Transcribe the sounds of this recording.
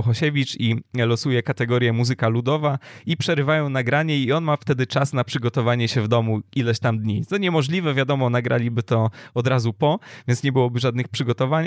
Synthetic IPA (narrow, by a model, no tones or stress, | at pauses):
wxɔɕɛvʲit͡ʂilɔsujɛkat̪ɛɡɔɾʲjɛmuzɘkalud̪ɔvaipʂɛɾɘvajɔ̃w̃naɡɾaɲɛiɔnmaft̪ɛd̪ɘt͡ʂasnapʂɘɡɔt̪ɔvaɲɛɕɛvd̪ɔmuilɛɕt̪amd̪ɲit̪ɔɲɛmɔʐlʲivɛvʲjad̪ɔmɔnaɡɾʔa̰lʲibɘt̪ɔɔd̪ɾazupɔvʲjɛnt̪sɲɛbɘwɔbɘʐad̪nɘxpʂɘɡɔt̪ɔvaɲ